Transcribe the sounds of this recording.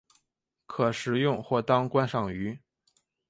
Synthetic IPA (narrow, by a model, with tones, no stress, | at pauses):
kʰɤ˨˩ʂɻ̩˨˩jʊ˥˧ŋxwɔ˥˩t̪ɑ˥ŋkwa˥nʂɑ˨˩ŋy˧˥